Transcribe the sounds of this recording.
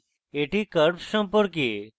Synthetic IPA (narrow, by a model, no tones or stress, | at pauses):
eʈikəɾpsəmpoɾk̬i